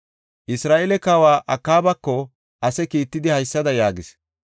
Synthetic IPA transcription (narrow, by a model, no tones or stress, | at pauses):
ʔɪsɾaːʔɛlɛkaːwaːʔɐkːaːbɐkːɔ | ɐsɛkiːt̪ːɪd̪ɪhɐjsːɐd̪ɐjaːɡɪs